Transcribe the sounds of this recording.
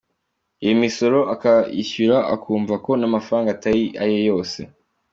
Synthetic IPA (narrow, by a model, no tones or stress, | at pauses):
ijimiso̞ɾo̞ʔakaḭçuɾaʔa̰kʰuːɱvako̞namafaɾaːŋɡaːtaɾiʔa̰jejo̞ːse̞̰